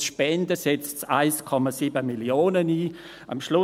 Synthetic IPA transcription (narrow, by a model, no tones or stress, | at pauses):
ʃpɛndəsɛt͡stsa̰ɪskʰɔmasiːbəmiljoːnəniː | ɐ̰mʃlʊ